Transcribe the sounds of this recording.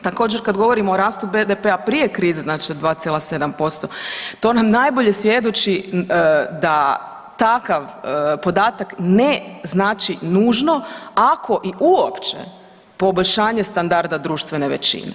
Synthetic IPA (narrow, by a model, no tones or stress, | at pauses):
t̪akoːd͡ʒeɾkad̪ɡo̞ʋo̞ɾimoːɾaːst̪ubed̪epeapɾije̞kɾiːzeznaːt͡ʃiod̪ʋaːt̪sjelased̪ampo̞st̪o̞t̪o̞namnajbo̞ʎe̞sʋje̞d̪ot͡ʃi | d̪a | t̪akaʋpo̞d̪aːt̪akneznaːt͡ʃinuːʒno̞akʰo̞ʔiʔuopt͡ʃḛ | po̞boʎʲʃaːɲest̪and̪aɾd̪ad̪ɾuːʃt̪ʋeneʋet͡ʃḭnḛ